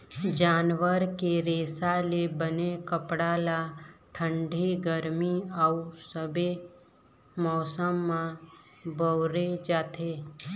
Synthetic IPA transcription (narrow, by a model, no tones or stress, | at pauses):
d͡ʒaːnʋəɾkeɾeːsalebənekəpɽalaʈʰə̃ɳɖʱiɡəɾmiausəbe | mɔːsəmːã | bəwɾed͡ʒaːt̪ʰeː